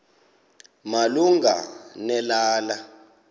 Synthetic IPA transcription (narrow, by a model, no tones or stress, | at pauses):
maluŋɡa̰nɛlaːla